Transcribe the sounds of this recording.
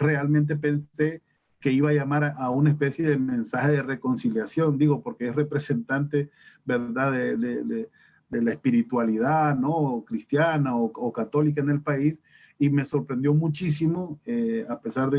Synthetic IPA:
re̞almẽnt̪̬e̞pe̞nse̞ | ke̞iβaːʝamaɾaaunaespe̞sje̞ðemẽ̞nsaxe̞ðere̞ko̞nsiljasjo̞nd̪iɣo̞po̞ɾkeesre̞pɾe̞se̞nt̪ant̪e̞be̞ɾðaðeðeðe | d̪elaespiɾit̪waliðanokɾist̪janaookat̪o̞lik̬aene̞lpais | ime̞so̞ɾpɾe̞nd̪jo̞mut͡ʃisimoeape̞saɾðe

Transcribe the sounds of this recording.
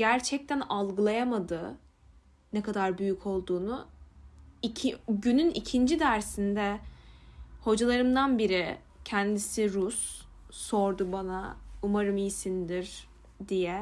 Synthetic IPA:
ɟæɾt͡ʃʰɛc̚t̪ʰænalˠɡɯlˠajamad̪ɯ | nɛkad̪aɾbyjycʰo̞lˠd̪uːnu | icʰɟynynicʰind͡ʒid̪æɾsind̪ɛ | ho̞d͡ʒalˠaɾɯmd̪anbiɾi | cʰɛnd̪isiɾusː | o̞ɾd̪ubanaumaɾɯmijsind̪iɾ | d̪ijɛ

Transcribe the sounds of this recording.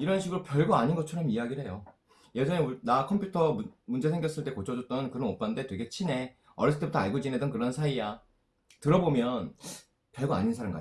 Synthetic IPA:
iɾʌnɕʰiɡɯɾopjʌɭɡoaɲinɡʌt͡ɕʰʌɾʌmiaɡiɾɦe̞jo | je̞d͡ʑʌŋenakʰʌmpʰjutʰʌmund͡ʑe̞sʰe̞ŋɡjʌs͈ɯɭt͈e̞kot͡ɕʰʌd͡ʑʌt̚t͈ʌnkɯɾʌnop͈ande̞twe̞ɡe̞t͡ɕʰine̞ | ʌɾis͈ʰɯt͈ʰebutʰʌaɭɡod͡ʑinɦe̞dʌnkɯɾʌnsʰaia | tɯɾʌbomjʌn | pjʌɭɡoa̰ɲinsʰaɾɯnŋɡʌ̰

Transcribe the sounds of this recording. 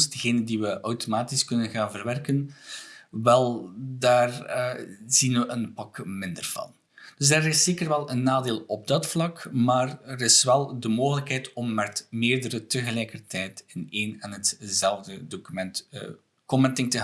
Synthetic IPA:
d̥əɣeːnəndiʋəʔœwtomaːtiskɵnənɣaːnvərʋɛrkən | ʋɛlˠdaːr | z̥inʋəʔənpɑkmɪndərvɑ̰n | d̥ɵsəɾɪsːeːkərʋɛlˠənːaːdeːlˠɔb̚dɑtflɑkmaːrəɾɪsʋɛlˠdəmoːɣələkɦɛjtɔmːɛtmeːrdəɾətəɣəlɛjkərtɛjtɪneːnɛnɦətzɛlˠvdədoːkymɛntː | kɔmɛntɪŋtə

